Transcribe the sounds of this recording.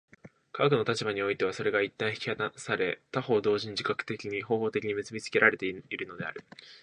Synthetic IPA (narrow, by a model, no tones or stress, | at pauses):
kaɡkɯ̟no̞t̪at͡ɕibaɲ̟io̞it̪e̞βaso̞ɾe̞ɡait̪ːãɰ̃çi̥kʲi̥haasaɾe̞t̪aho̞ːd̪o̞ːʑiɲ̟id͡ʑi̥kakɯ̟̥t̪e̞kʲiɲ̟iɦo̞ːhoːt̪e̞kʲiɲ̟imɯ̟t͡sɨbʲit͡sɨ̥ke̞ɾaɾe̞t̪eiɾɯ̟no̞d̪e̞a̰ɾɯ̟